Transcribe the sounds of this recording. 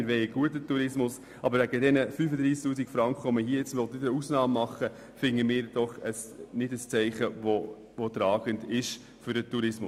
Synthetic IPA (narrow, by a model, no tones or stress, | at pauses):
ɪɾʋɛɪəɡ̥uətːətuɾɪsmʊs | ʔɑbəɾvæɡədɛnəfyfəd̪ɾiːsktuːsikfɾɑŋkχəʋɔməhiːəjɛt͡sʋɔlt̪ɪdəɾəusnɑːmːɑχːə | fɪŋːəmɪːɾd̥ɔχəsnɪdəst͡sɛɪχəvɔ | ʋɔt̪ɾɑːɡ̥əndɪʃ | fʏɾdətuɾɪsmʊs